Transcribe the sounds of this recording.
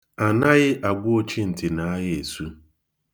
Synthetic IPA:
a˨na˦ɣɪ˦ʔa˨ɡʷʊ˦o˦t͡ʃi˦n̩˨tɪ˨na˨a˦ɣɪ˦e˨su˦

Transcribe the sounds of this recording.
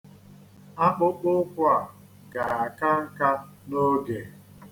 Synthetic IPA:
a˦k͡pʊ˦k͡pʊ˦kʷa˨ | ɡa˨a˨ka˦ŋ̩˦ka˦no˦ɡe˨

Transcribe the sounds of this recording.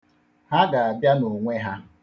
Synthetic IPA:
ha˦ɡa˨a˨bja˦no˨ŋʷe˦ɦa˦

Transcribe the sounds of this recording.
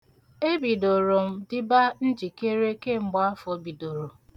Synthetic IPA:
e˦bi˨do˨ɾo˨m̩˦dɪ˦ba˦n̩˦d͡ʒi˨ke˦ɾe˦ke˦m̩˨ɡ͡ba˦a˦fɔ˨˦bi˨do˨ɾo˨

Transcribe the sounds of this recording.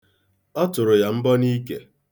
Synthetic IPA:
ɔ˦tʊ˨ɾʊ˨ja˨m̩˦bɔ˦ni˦ke˦

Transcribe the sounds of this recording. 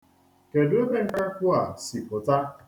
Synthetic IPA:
ke˨dʊ˦e˦be˦ŋ̩˦ka˦kʷʊ˦a˨si˨ʔʊ˨ta˦

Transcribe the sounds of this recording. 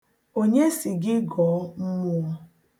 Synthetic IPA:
o˦ɲe˦si˨ɡɪ˦ɡɔ˨˦m̩˦mu˦ɔ˦

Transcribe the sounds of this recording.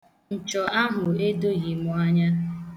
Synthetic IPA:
n̩˨t͡ʃɔ˨a˦ɦʊ˨e˦do˦ɣi˨mʊ˨a˦ɲa˦

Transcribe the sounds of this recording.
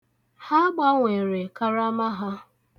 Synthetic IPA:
ha˦ɡ͡ba˦ŋʷe˨ɾe˨ka˦ɾa˦ma˦ɦa˦

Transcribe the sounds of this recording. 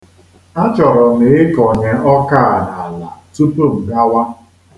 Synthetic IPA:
a˦t͡ʃɔ˨ɾɔ˨ne˨ɪ˦kɔ˨ɲe˦ɔ˦ka˦a˨na˨la˨tu˦po˦˨m̩˨ɡa˦wa˦

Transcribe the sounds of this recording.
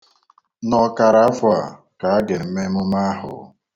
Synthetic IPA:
nɔ˦ka˨ɾa˨˦a˦fʊ˦a˨ | ka˨a˦ɡe˨m̩˦me˦mʊ˦ma˦ɦʊ̰˨˦

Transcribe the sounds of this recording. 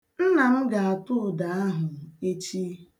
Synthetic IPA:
n̩˦na˨m̩˦ɡa˨a˨tʊ˦˨da˨a˦ɦʊ˨e˦t͡ʃi˦

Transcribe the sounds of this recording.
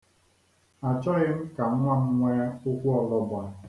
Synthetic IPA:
a˨t͡ʃɔ˦ɣɪ˦m̩˦ka˨˦ŋʷa˦m̩˦ŋʷɛ˦o˦kʷu˦ɔ˨lɔ˦bʷa˨

